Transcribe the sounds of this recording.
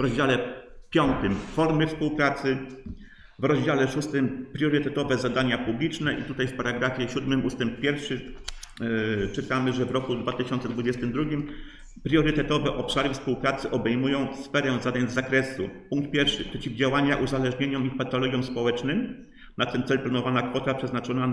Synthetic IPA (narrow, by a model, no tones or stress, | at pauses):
vɾɔzd͡ʑalɛpʲjɔnt̪ɘmfɔɾmɘfspuwpɾat̪sɘ | vɾɔʑd͡ʑalɛʂust̪ɘmpɾʲjɔɾɘt̪ɛt̪ɔvɛzad̪aɲapublʲit͡ʂnɛʔit̪ut̪ajfpaɾaɡɾafʲjɛɕud̪mɘmʔust̪ɛmp̚pʲjɛɾfʂɘ | t͡ʂɘt̪amɘʐɛvɾɔkud̪vat̪ɘɕɔnt̪sɛd̪vud͡ʑɛst̪ɘmd̪ɾuɡʲim | pɾʲjɔɾɘt̪ɛt̪ɔvɛʔɔpʂaɾɘfspuwpɾat̪sɘʔɔbɛjmujɔ̃w̃sfɛɾɛ̃zad̪aɲzakɾɛsṵpuŋk̚t̪̚pʲjɛɾfʂɘpʂɛt͡ɕivd͡ʑawaɲaʔuzalɛʐɲeɲɔmipat̪ɔlɔɡʲjɔmspɔwɛt͡ʂnɘm | nat̪ɛnt̪sɛlplanɔvanakfɔt̪apʂɛznat͡ʂɔna